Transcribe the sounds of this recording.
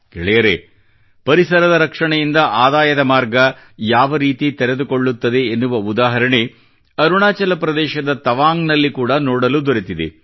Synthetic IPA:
keɭɛjɐɾe̞ | pɐɾisɐɾɐd̪ɐɾɐkʂɐɳɐjind̪ɐʔaːd̪aːjɐd̪ɐmaːɾɡɐ | jaːʋɐɾiːt̪it̪ɛɾed̪ukoɭːut̪ːɐd̪e̞ːnːuʋɐud̪aːɦɐɾɐɳe | ɐɾuɳaːt͡ʃɐlɐpɾɐd̪ɛːʃɐd̪ɐt̪ɐʋaːŋnɐlːikuːɽɐnoːɽɐlud̪oɾit̪id̪ḛ

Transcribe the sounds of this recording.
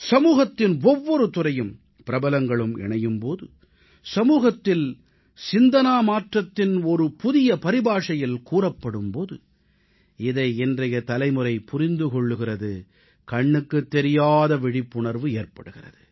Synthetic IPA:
sɐmuːɣɐt̪ːɪnɔʋːɔɾɯt̪ʊrɐjɯm | pɪɾɐbɐlɐŋɡɐɭɯmɛ̰ɳɐjɯmpoːðɯ | sɐmuːɣɐt̪ːɪl | sɪnd̪ɐnaːmaːʈrɐt̪ːɪnɔɾɯpʊðɪjɐpɐɾɪbaːʂɐjɪlkuːrɐpːɐɽɯmpoːðɯ | ɪðɐɪɛndrɐjɐt̪ɐlɐɪmɯɾɐɪpʊɾɪnd̪ɯkɔɭːɯɣɪrɐðɯ | kɐɳːɯkːɯt̪ːɛɾɪjaːðɐʋɪɽɪpːʊɳɐɾʋɯeːrpɐɽɯɣɪrɐ̰ðɯ

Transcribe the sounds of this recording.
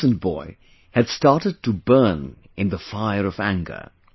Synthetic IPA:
ə̃n̚b̥ɔɪ | ɨdstɑɹɾɨd̚təbɜ̃˞n | ɪ̃nðəfaɪə˞ʌvæ̃ŋɡə̰˞

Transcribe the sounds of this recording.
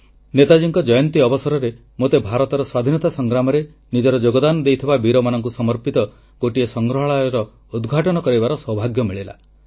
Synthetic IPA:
net̪ad͡ʒiŋkɔd͡ʒɔjɔnt̪iɔbɔsɔɾɔɾe | mot̪ebʱaɾɔt̪ɔɾɔswad̪ʱinɔt̪asɔŋɡɾamɔɾe | nid͡ʒɔɾɔd͡ʒoɡɔd̪anɔd̪ejt̪ʰibabiɾɔmanɔŋkusɔmɔɾpit̪ɔ | ɡoʈiesɔŋɡɾɔɦɔɭajɔɾɔ | ud̪ɡʱaʈɔñɔkɔɾibaɾɔswɔbʱaɡjɔmiɭela̰

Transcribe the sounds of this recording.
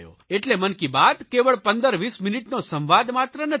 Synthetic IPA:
jo̰eʈlemənkibad̪keʋəɭpə̃nd̪əɾʋisminiʈnosə̃mʋad̪mat̪ɾənə

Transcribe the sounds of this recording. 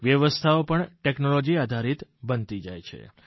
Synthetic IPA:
ʋjəʋəst̪ʰaopəɳʈɛknolod͡ʒiad̪ʱaɾit̪bənt̪id͡ʒajt͡ʃʰḛ

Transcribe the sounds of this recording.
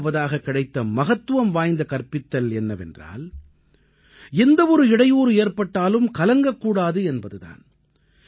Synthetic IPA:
ʋɐðaːɣɐkːɪɽɐɪt̪ːɐmɐɣɐt̪ːɯʋɐmʋaːjnd̪ɐkɐrpɪt̪ːɐlɛnːɐʋɛ̰ndra̰ːl | ɛnd̪ɐɔɾɯɪɽɐjuːɾɯeːrpɐʈːaːlɯmkɐlɐŋɡɐkːuːɽaːðɯɛnbɐðɯða̰ːn

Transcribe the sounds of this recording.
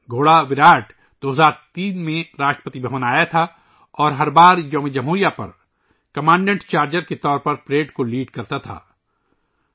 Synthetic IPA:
ɡʱoːɽaʋɪɾaːʈ | d̪̥oːɦəzaːɾt̪iːnmẽɾaːʃʈɾə̥pət̪ibʱɐʋənaːjat̪ʰa | ɔːɾɦɐɾbaːɾjoːmid͡ʒɐmɦuːɾijapɐ̰ɾ | kɐmãːɳɖẽɳʈt͡ʃaːɾd͡ʒəɾket̪ɔːɾpɐɾpɾeːɖkoliːɖkɐɾt̪at̪ʰa̰ː

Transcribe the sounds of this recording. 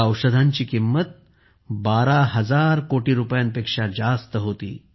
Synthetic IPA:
əwʂəd̪ʱaɲt͡ɕiːkimːət̪̚ | baɾaɦəd͡zaɾkoʈiːɾupjanpekʂad͡zast̪əɦot̪ḭː

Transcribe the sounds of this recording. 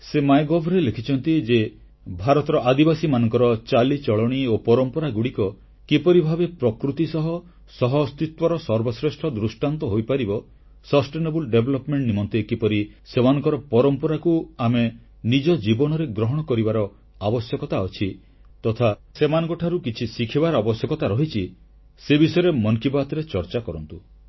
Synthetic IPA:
semajɡɔbʱɾelekʰit͡ʃʰɔnt̪id͡ʒe | bʱaɾɔt̪ɔɾɔʔad̪ibasimanɔŋkɔɾɔt͡ʃalit͡ʃɔɭɔɽ̃iopɔɾɔmpɔɾaɡuɽikɔ | kipɔɾibʱabepɾɔkɾut̪isɔɦɔ | sɔɦɔst̪it̪wɔɾɔsɔɾbɔsɾesʈʰɔd̪ɾusʈant̪ɔɦojpaɾibɔ | sɔsʈenebulɖebʱlɔpmeɳʈnimɔnt̪ekipɔɾi | semanɔŋkɔɾɔpɔɾɔmpɔɾakuame | nid͡ʒɔd͡ʒibɔñɔɾeɡɾɔɦɔɽ̃ɔkɔɾibaɾɔ | abɔsjɔkɔt̪aɔt͡ʃʰi | t̪ɔt̪ʰasemanɔ̃ŋkɔʈʰaɾukit͡ʃʰisikʰibaɾɔabɔsjɔkɔt̪aɾɔɦit͡ʃʰi | sebisɔjɾemɔnkibat̪ɔɾet͡ʃɔɾt͡ʃakɔɾɔnt̪u

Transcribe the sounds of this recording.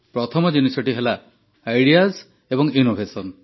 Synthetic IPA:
pɾɔt̪ʰɔmɔd͡ʒunisɔʈiɦelaː | jɽiaz | ebɔŋinobʱesɔn

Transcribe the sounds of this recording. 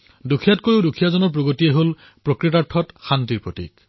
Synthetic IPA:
dukʰijatkoɹidukʰijazɔnɔɹp̬ɹoɡotieɦol | pɹokɹit̬aɹtʰːɔtxantiɹpɹotḭk

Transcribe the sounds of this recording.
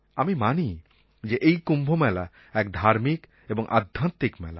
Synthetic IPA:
amimani | d͡ʑeʔejkumbʱomɛla | ɛkd̪ʱaɾmik | eboŋʔa̰d̪ʱːant̪ːikmɛ̰la̰

